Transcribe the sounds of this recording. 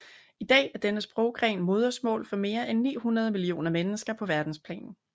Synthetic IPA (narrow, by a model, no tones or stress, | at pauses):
id̥ɛ̰ːæɐd̥enəsb̥ʁɔʊɡ̥ʁɛ̰ːnmo̝ːð̞ˠɐsmɔ̰̽ːlfɒ̽me̝ːɐʔenːḭːhunɐð̞ˠmilio̝̰ːnɐmenəsɡ̥ɐpʰɒ̽ʋæɐd̥n̩spʰlɛ̰ːnn̩